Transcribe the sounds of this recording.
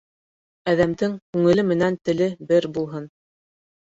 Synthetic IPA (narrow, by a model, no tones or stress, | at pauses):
æðæmd̪ɘŋkʉŋɘ̆lɘmɘ̆nænt̪ɘ̆lɘbɘɾbulˠɦɤn